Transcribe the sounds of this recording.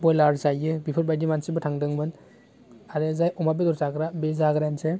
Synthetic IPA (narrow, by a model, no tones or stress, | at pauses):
bɔjlaɾzajɯbipʰɯɾbajdimansibɯtʰaŋdɯŋmɯn | aɾɯzajʔɔmabedɔɾtaɡɾabezaɡɾanse